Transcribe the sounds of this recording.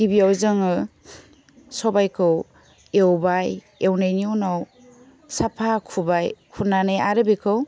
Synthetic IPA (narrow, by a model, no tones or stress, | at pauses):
ɡibiawzɯŋɯ | sɔbajkʰɯw | ewbaj | ewnajniunaw | sapʰakʰubajkʰunanɯjaɾɯbikʰɯw